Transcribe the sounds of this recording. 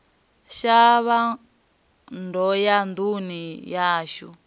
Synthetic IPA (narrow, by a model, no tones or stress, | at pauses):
ʃaβa | ndɔjand̪unijaːʃṵ